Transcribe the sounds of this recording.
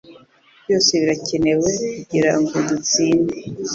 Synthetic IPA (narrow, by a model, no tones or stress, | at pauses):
bjo̞ːseβiɾacene̞wekuɟiɾaŋɡedut͡siːnde